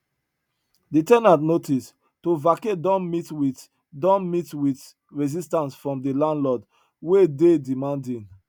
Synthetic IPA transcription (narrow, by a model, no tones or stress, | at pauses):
detɛ̃nãtnotis | tovakedɔ̃nmitwi | dɔ̃nmitwit | ɹɛzistãnsfɹɔ̃mdelãnlɔd | wededimãndĩn